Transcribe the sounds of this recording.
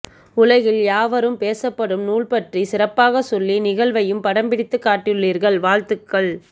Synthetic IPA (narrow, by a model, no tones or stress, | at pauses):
ʊlɐɣɪljaːʋɐɾɯmpeːsɐpːɐɽɯmnuːɭpɐʈrisɪrɐpːaːɣɐsɔlːinɪɣɐɭʋɐjɯmpɐɽɐmbɪɽɪt̪ːɯkːaːʈːɪjɯɭːiːɾɣɐɭʋaːɻt̪ɯkːɐɭ